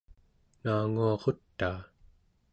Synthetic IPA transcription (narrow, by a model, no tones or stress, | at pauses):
naːŋuɑʁo̞t̪ːaː